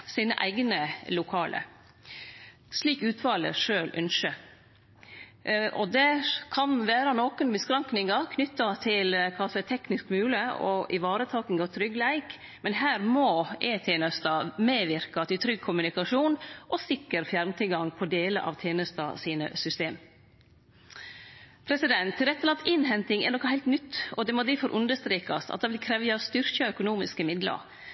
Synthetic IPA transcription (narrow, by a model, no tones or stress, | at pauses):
siːnə̰ʔæ̰ɪɡnəlʊkʰɑːlə̰ | ʂliːkʉːt̪ʋɑːlə̰ʂøːlʔœnʃə | ʔɔd̪ɛkʰɑnʋæːɾɑnɔkənbəskɾɑŋknɪŋɑkʰnʏt̪ːɑt̪ʰɪlkʰɑlsæɪt̪ʰɛknɪskmʉːləɔ̰ʔɪʋɑːɾət̪ʰɑːkɪŋɑʋt̪ʰɾʏɡlæɪk | mɛnɦæːɾmɔʔeːt̪ʰeːnəst̪ɑmeːʋɪɾkɑt̪ʰɪlt̪ʰɾʏɡ̚kʰʊmʉnɪkɑʂuːnʔɔsɪkːəɾfjæɾmt̪ʰɪɡɑŋpʰɔd̪eːlə̰ʔɑ̰ːʋt̪ʰjeːnəst̪ɑ̰siːnə̰sʏst̪eːm | pʰɾɛsɪd̪ɛnt̪ʰːɪlɾɛt̪ːəlɑnt̪ʰɪnɦɛnt̪ɪŋɛ̰ɾnɔkːɑhæɪlt̪nʏt̪ːɔd̪ɛmɔd̪æfɔɾʔʉnd̪əʂst̪ɾeːkɑst̪ɑ̰t̪̚d̪ɑʋɪlkʰɾɛːʋjɑst̪ʏɾkɑœkʊnuːmɪskəmɪd̪lə̰ɾ